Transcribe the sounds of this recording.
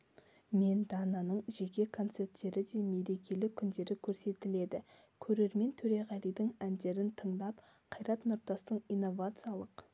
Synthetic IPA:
me̞nd̪ɑnɑnəɴʒe̞kʲe̞kʰo̞nt̪se̞ɾt̪ːe̞ɾɪd̪e̞me̞ɾe̞kʲe̞lɪkʲʰʏnd̪e̞ɾɪkʲʰɵɾse̞t̪ɪle̞d̪ɪ | kʲʰɵɾe̞ɾme̞nt̪ʰɵɾe̞ʁɑlijd̪ɪŋænd̪e̞ɾɪnt̪ʰəɴd̪ɑp | qʰɑjɾɑt̪nʊɾt̪ɑst̪əɴijnːo̞vat̪sɨjɑlˠəq

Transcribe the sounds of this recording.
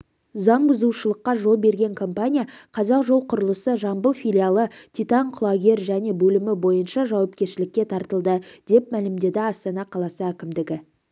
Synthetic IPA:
zɑɴbʊzuʃəlˠəqːɑʒo̞lˠbe̞ɾɡʲe̞ŋkʰo̞mpanʲijaqʰɑzɑqʒo̞lˠqʰʊɾəlˠəsəʒɑmbəlˠfijlʲialˠət̪ʰʲijt̪ɑɴqʰʊlˠɑɡʲe̞ɾʒæne̞bɵlɪmɪbo̞jənʃɑʒɑwɑp̚kʲe̞ɾʃɪlɪkʲːe̞t̪ʰɑɾt̪əlˠd̪əd̪̥e̞p̚mælɪmd̪e̞d̪ɪɑst̪ɑnɑqʰɑlˠɑsəækʲɪmd̪ɪɡʲɪ

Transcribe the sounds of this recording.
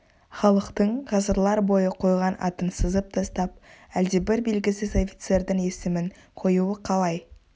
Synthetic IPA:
χɑlˠəqt̪əɴʁɑzəɾlˠɑɾbo̞jəqʰo̞jʁɑnɑ̰t̪ənsəzəp̚t̪ʰɑst̪ɑp̚æld̪e̞bɪɾbe̞lɡʲɪsɪzo̞fi̥t̪se̞ɾd̪ɪŋe̞sɪmɪŋ | qʰo̞juwəqʰɑlˠɑj

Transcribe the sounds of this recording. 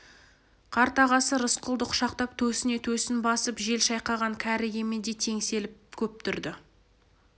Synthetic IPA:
qʰɑɾt̪ɑʁɑsəɾəsqʰʊlˠd̪əqʰʃɑq̚t̪ɑp̚t̪ʰɵsɪne̞t̪ʰɵsɪnbɑsəpʒe̞lʃɑjqɑʁɑŋkʲʰæɾɪɡʲe̞med̪e̞t̪ʰe̞ŋse̞lɪp̚kʲʰɵp̚t̪ʰʏɾd̪ɪ

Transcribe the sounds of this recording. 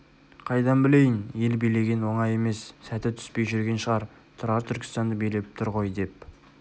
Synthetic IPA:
qʰɑjd̪ɑnbɪle̞jɪnje̞lbejle̞ɡʲe̞nwo̞ɴɑje̞me̞sːæt̪ɪt̪ʰʏ̥spe̞jʒʏɾɡʲe̞nʃəʁɑɾ | t̪ʰʊɾɑɾt̪ʰʏɾkʲʰɪ̥st̪ɑnd̪əbejle̞ɪp̚t̪ʰʊɾʁo̞jd̪e̞p̚

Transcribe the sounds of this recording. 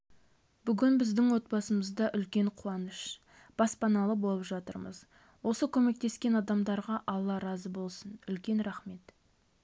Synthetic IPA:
b̥ʏɡʲɪnbɪzd̪ɪŋwo̞t̪̚bɑsəməzd̪ɑʔʏlkʲe̞ɴqʰuɑnəʃ | b̥ɑspɑnɑlˠəbo̞lˠəpʒɑt̪ə̰ɾmə̰z | wo̞səkʲʰɵme̞k̚t̪e̞skʲe̞nɑd̪ɑmd̪ɑɾʁɑʔɑlˠːɑɾɑzəbo̞lˠsənʏlkʲe̞nɾæχme̞t̪

